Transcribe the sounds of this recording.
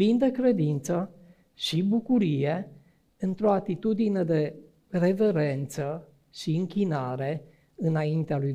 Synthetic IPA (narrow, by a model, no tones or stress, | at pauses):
ind̪e̞kɾe̞d̪int̪sə | ʃibukuɾije̞ | ɨnt̪ɾo̞at̪it̪ud̪ined̪e̞ | re̞ve̞ɾe̞nt̪sə | ʃiɨŋkʲinaɾe̞ | ɨnaint̪ealuj